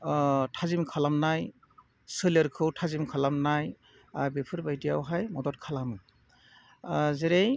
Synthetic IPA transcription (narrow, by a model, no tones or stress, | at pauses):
tʰazimkʰalamnaj | sɯləɾkʰɯwtʰazimkʰalamnaj | bepʰɯɾbajdijawɦajmɔdɔt̚kʰalamɯ | zeɾej